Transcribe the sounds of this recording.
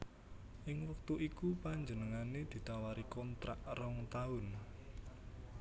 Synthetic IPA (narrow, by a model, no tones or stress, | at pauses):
ʔɪŋwək̚t̪uʔikupaɲd͡ʒənəŋaned̪̥i̤t̪awaɾikɔnt̪ɾa̰ʔrɔŋt̪aʊn